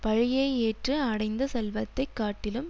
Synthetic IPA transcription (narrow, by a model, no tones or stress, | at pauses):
pɐɻɪjeːeːʈrɯɐɽɐɪnd̪ɐsɛlʋɐt̪ːɐɪkːaːʈːɪlɯm